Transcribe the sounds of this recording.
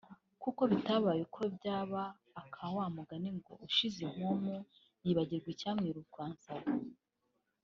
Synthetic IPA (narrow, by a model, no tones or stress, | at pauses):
kuko̞βitaβaːjekʰobjaːβaː | kʰawaːmuɡaniŋɡo̞̰uʃiziŋ̥omu | jiːβaɟiɾɡwicaːmŋiɾuɡwaːnsaβo